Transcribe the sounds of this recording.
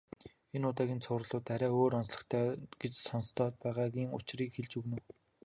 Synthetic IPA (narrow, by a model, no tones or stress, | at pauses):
enʊːt̪aːɣʲiːnt͡sʰʊːrɮʊːt̪ːæɾʲæːoːɾɔnsɮə̥̆χt̪ʰæːɡ̥et͡ɕsɔnst̪ʰɔːt̪̚pæːʁaːɣʲiːŋʊ̰t͡ɕriːkxeɮt͡ɕɵɣnɘ̆w